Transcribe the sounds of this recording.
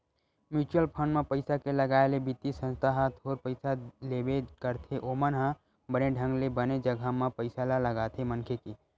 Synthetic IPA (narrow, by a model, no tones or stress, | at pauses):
mjut͡ʃuəlpʰənmepəɪsakeləɡaelebit̪isə̃nst̪ʰaɦət̪ʰoɾpəɪsalebekəɾt̪ʰeʔomənɦã | bəneɖʱə̃ŋɡlebəned͡ʒəɡʱəmə̃pəɪsalaləɡat̪ʰemənkʰeki